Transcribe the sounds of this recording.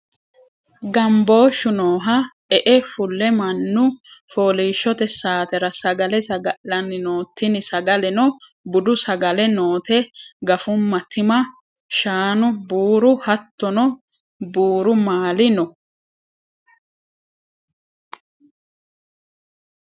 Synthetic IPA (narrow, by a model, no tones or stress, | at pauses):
ɡɐmbo̞ːʃʊnoːɦɐ | ɛʔɛfʊlːɛmɐnːʊfoːliːʃːɔt̪ɛsaːt̪ɛɾɐsɐɡɐlɛsɐɡɐʔːɐnːɪnoːt̪ːɪnɪsɐɡɐlɛnɔ | bʊd̪ʊsɐɡɐlɛnoːt̪ɛɡɐfʊmmːɐt̪ɪmɐ | ʃaːnʊbuːɾʊhɐt̪ːɔnɔ | buːɾʊmaːlɪnɔ